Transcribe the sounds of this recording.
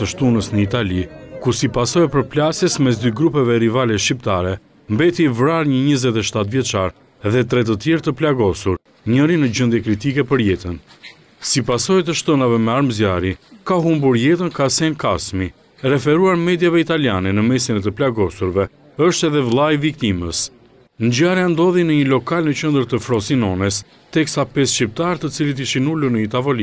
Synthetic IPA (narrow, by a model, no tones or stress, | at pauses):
əʃt̪unəsnəit̪alikusipasɔjpəɾplasjɛsmɛs̬d̪yɡɾupɛvɛɾivalɛʃcip̚t̪aɾɛ | mbɛt̪ivɾaɾɲəɲəzɛt̪ɛʃt̪at̪vjɛt͡ʃaɾ | ðɛt̪ɾɛt̪ət̪jɛɾt̪əplaɡɔsuɾ | ɲəɾinəd͡ʑənd̪jɛkɾit̪ikɛpəɾjɛt̪ən | sipasɔjt̪əʃt̪ɔnavɛmɛaɾmzjaɾikaɦumbuɾjɛt̪ənkasɛnkasmi | ɾɛfɛɾuaɾmɛd̪javɛit̪aljanɛnəmɛsinɛt̪əplaɡɔsuɾvɛ | əʃt̪ɛðɛvlˠajvik̚t̪iməs | nd͡ʑaɾjand̪ɔðinəɲəlɔkalnət͡ɕənd̪əɾt̪əfɾɔsinɔnɛs | t̪ɛksapɛsʃcip̚t̪aɾt̪ət͡silit̪iʃinuluɾnəit̪avɔli